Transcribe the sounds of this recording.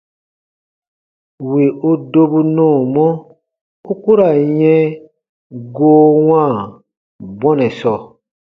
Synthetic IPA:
wi˨o˦do˧bu˧nɔ̃ː˦˨mɔ̃˦ | u˦ku˦ɾa˨jɛ̃˦ | ɡoː˦wãː˦˨ | bɔ̃˦nɛ̃˨sɔ˨

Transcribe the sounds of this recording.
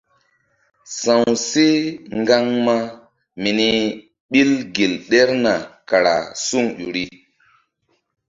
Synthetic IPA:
sã˨wse˦ŋɡa˦ŋma˦ | mi˨ni˦ | ɓi˦lɡi˨lɗe˦ɾna˨ka˨ɾa̰˨su˦ŋɗu˨ɾi˦

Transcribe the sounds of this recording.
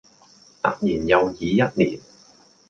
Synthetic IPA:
t̪a̰˨˩k̚niː˨˩njɐ˨˧wjiː˨˧jɐ˥t̚nḭː˨˩n

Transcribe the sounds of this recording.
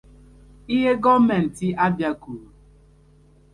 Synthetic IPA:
i˦ɦe˦ɡɔ˦mɛ˨n̩˨ti˦ʔa˦bja˦ku˨ɾu˨

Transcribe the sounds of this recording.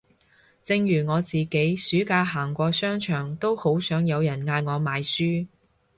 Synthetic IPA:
t͡sɪ˧ŋjyː˨˩ŋɔː˨˧t͡siː˨ke˨˥jsyː˨˥kaː˧ɦaː˨˩ŋkʷɔː˧sœː˥ŋt͡ʃʰœː˨˩ŋt̪o˥who˨˥wsœː˨˥ŋjɐ˨˧wjɐ˨˩nŋaː˧jŋɔː˨˧maː˨˧jsyː˥

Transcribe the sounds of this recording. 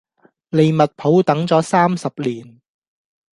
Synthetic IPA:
le˨jmɐ˨t̚pʰo˨˥wt̪ɐ˨˥ŋt͡sɔː˨˥saː˥msɐ˨p̚liː˨˩n

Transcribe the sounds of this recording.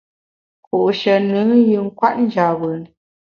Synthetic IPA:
ku˨ʔʃə˨nɨ˨˦jɯ˨ŋ̩˦kwa˦ʔn̩˦d͡ʒa˨wə˨n

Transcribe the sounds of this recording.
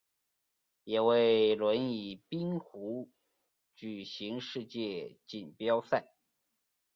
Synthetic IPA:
jɛ˨˩we˥˩ɪlwə˧˥ni˨˩pi˥ŋxu˧˥ | t͡ɕy˨˩ɕi˧˥ŋʂɻ̩˥˧t͡ɕjɛ˥˩t͡ɕi˨˩npjɑ˥ʊsa˥˩ɪ

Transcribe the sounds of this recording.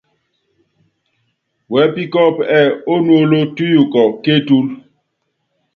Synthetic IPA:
wɛ˨˦pi˦kɔ˦pɛ˨o˦nwo˦lo˦tu˦ju˨kɔ˨ke˦tu˦l

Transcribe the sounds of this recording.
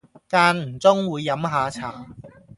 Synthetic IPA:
kaː˧nm̩˨˩t͡sʊ˥ŋwuː˨˧jːɐ˨˥mɦaː˨˧t͡sʰaː˨˩

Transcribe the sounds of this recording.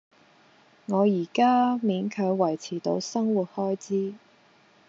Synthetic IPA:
ŋɔː˨˧jiː˨˩kaː˥miː˨˥nkʰœː˨˧˥ɥwɐ˨˩jt͡sʰiː˨˩t̪o̰˨˧wsɐ˥ŋwuː˨˩t̚hɔː˥jt͡siː˥

